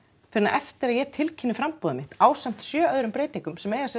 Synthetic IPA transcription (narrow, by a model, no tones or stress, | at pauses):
fɪɾɪna̰ʔɛft̪ɪɾaðjɛt̪ʰɪlcʰɪnːɪfɾampɔːðʏmɪht̪aːwsam̥t̪sjœːœðɾʏmpɾeːjt̪iŋkʏmsɛmɛjɣasɛ